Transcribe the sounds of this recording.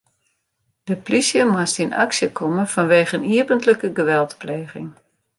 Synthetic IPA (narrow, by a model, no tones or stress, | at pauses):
d̥əplisjəmastina̰ksjəkʰɔmənfɔnʋeːɣəniəbəntləkəɡəʋɛlˠtpleːɣɪ̰ŋ